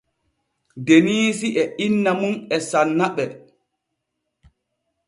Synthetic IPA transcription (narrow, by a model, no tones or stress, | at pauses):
deniːsiʔɛʔinːamunɛsanːaɓɛ